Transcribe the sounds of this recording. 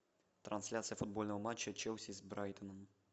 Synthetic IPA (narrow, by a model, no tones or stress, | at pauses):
t̪ɾɐnsʲlʲat̪sɨjəfʊd̪̚bolʲnəvəmat͡ɕːət͡ɕɛwsʲizbɾajt̪ənəm